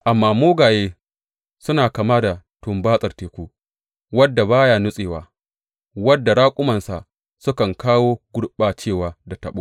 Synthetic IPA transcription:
ʔa˨mːaː˨moː˦ɡaː˨jeː˦ | sʊ˦naː˨ka˨maː˦da˨ | tʊ˨mbaː˦sʼɐ˨rteː˨kʷuː˦ | wɐ˦dːa˨baː˦jaː˦nʊ˦sʼeː˨waː˨ | wɐ˦dːa˨ɽaː˦kʷʼʊ˦mɐ˨nsa˨ʔ | sʊ˦kɐ˨ŋkaː˦woː˦ɡʷʊ˦ɽɓaː˨t͡ʃeː˦˨waː˨da˨tɐ˨ɓoː˦

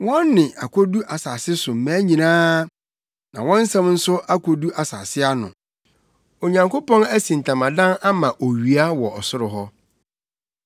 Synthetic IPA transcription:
wɔ̃˦nːɪ̃˨ʔa˨kʰɔ˦du˦ʔa˨saː˨sɪ˦sʊ˨m̩˨mæ̃˨˦ɲĩ˨nãː˦ | nã˨wɔ̃˦n̩˦sɛ̃˦mn̩˦sʊ˦ʔa˦kʰo˨du˦ʔa˨sa̰ː˨sɪ˦a˦nʊ̰̃˨ | o˨ɲã˨ŋkʰo˦pɔ̃˦næ˦sĩ˨n˨tʰã˨mã˨dã˦na˦mã˨ʔo˨ɥi˨a˦wɔ˨ɔ˨sʊ˦ɾʊ˨ɦɔ˦

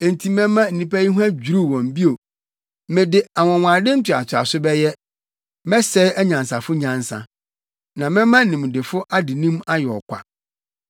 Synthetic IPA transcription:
e˨n̩˨tʰi˨mɛ̃˦mã˦n̩˨nĩ˨pæ˦ji˦ɦu˦æ˦d͡ʑᶣu˨ɾu˦˨wɔ̃˨m˨bi˦o˨ | mɪ̃˨dɪ˨a˨wɔ̃˨wʷãː˨dɪ̃˦n̩˦tʰɪ˨a̰˨t͡ɕʰɪ˨a̰˨sʊ˦bɛ˦jɛ˦ | mɛ˦sɛ˦æ˦ɲã˨nsa˨fʊ˦ɲã˨n˦sã̰˨ | nã˨mɛ̃˦mã˦˨ɪ̃˨m̃˨dɪ˨fʊ˦ʔa˦dɪ˨nĩ˦ma˦jɛ˨ɔ̰˨kʰʷa̰˨

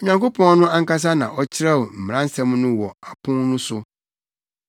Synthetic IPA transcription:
ɲã˨ŋko˦pʰɔ̃˦ŋ˦nʊ̃˦a˦ŋ̩˦ka˦s̬a˦nã˨ʔɔ˦t͡ɕʰɪ˦ɾa˦˨wm̩˨m˨ɾã˦n̩˦sã˦m˦nʊ̃˦wɔ˨a˨pʰʊ̃˦nʊ̃˦sʊ˦

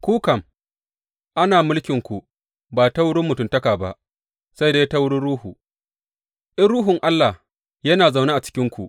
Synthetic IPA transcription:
kʷuː˦kɐ˨m | ʔa˦naː˨mʊ˦lkʲɪ˨ŋkʷu˨ | baː˨ta˦wʊ˦ɽʊ˦mːʊ˨tʊ˦˨ntɐ˦kaː˨ba˦ʔ | sa˦jdeː˦ta˦wʊ˦ɽʊ˦ɽuː˦huː˨ | ʔɪ˦nɽuː˦ɦʊ˨ŋʔa˦lːa˨ | jɐ˦naː˨za˨wneː˦ʔa˨t͡ʃɪ̥˦kʲɪ˦ŋkʷu˨ʔ

